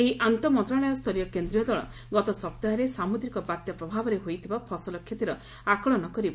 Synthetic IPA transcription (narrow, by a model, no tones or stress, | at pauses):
eɦiʔant̪ɔmɔnt̪ɾaɭɔjɔst̪ʰɔlijɔkend̪ɾijɔd̪ɔɭɔ̰ | ɡɔt̪ɔsɔp̚t̪aɾesamud̪ɾikɔbat̪jɔpɾɔbʱabɔɾeɦojt̪ʰibapʰɔsɔlɔkʰjet̪iɾɔ | akɔɭɔnɔkɔɾibɔ